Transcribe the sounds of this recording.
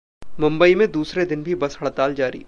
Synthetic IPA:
mʊ̃mbəimẽd̪uːsɾed̪ɪnbʱibɐsɦɐɽt̪aːld͡ʒaːɾḭː

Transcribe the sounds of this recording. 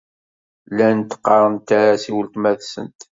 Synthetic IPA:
lænt̪ːə̥qːɑɾˤənt̪ːaɾasiwəlt̪mæðsə̰nt̪

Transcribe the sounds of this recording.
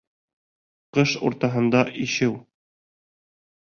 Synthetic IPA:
qɤʃṵɾt̪ɑɦɤ̆nd̪ɑʔiʃɘw

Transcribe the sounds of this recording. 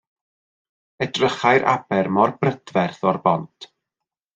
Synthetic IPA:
ɛdrəχajɾʔa̰b̥ɛrmɔrbrəd̥vɛrθɔrbɔntʰ

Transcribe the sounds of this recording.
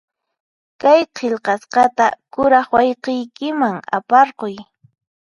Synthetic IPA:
kajqʰeʎqɑsqɑt̪akʊɾɑχwajqejkɪmaŋa̰pɑɾqoj

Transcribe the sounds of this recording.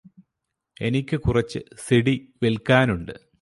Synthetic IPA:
e̞nikʲːɨkurɐt͡ɕːɨ̰seɽiʋelkaːnuɳɖɨ

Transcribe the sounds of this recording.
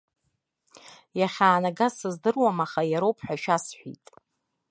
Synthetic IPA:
jaχʲaːnaɡasɨzdɨrwamaχajaɾowpʰħʷᶣaʃᶣasħʷᶣḭtʼ

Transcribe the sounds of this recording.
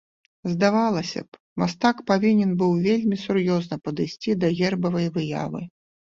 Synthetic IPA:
zd̪avalˠɐsʲɐ̰p | mast̪akpavʲinʲɛnbɨwvʲelʲmʲisurjɔznɐpɐd̪ɨsʲt͡sʲid̪ɐɣʲɛrbɐvɐjvɨja̰vɨ̰

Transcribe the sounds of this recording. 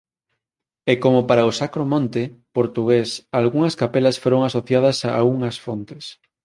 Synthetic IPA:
ekomopaɾaosakɾomõnt̪epoɾt̪uɣ̞esalɣuŋɐskapelasfoɾoŋasoθjað̞ɐsauŋɐsfont̪es

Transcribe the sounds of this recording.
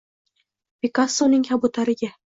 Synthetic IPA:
pekasːonɪŋhabʊt̪ʰaɾɪɡʲa

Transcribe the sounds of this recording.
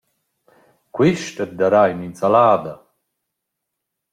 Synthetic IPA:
kʷwiʃtət̪̚d̪aɾajnint͡salaːd̪a

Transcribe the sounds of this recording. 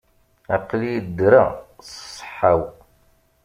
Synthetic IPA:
æqːlijid̪ːɾassˤːħaw

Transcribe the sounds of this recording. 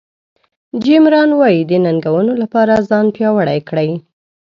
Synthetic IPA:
d͡ʒɪmɾɑnwɑjid̪ənaŋɡawənolapɑɾazɑnpjɑwəɽajkɽaj

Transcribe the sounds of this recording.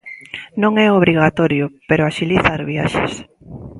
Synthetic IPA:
nõŋɛoβ̞ɾiɣat̪ɔɾjʊpeɾʊaʃiliθaɾβia̰ʃḛs

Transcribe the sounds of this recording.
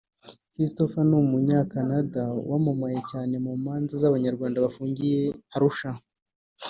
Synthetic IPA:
kɾistofanumuɲaːkanadawamumaje̞caːne̞muːmaːnzazaβaɲaɾɡwaːndaβafuːɲɡije̞aɾuʃa

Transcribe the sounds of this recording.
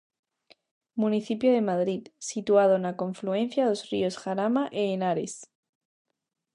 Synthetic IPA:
muniθipjoð̞e̞maðɾiðsit̪uað̞oenako̞ɱflue̞n̟θjaðozrio̞sxaɾamaʔeːnaɾes

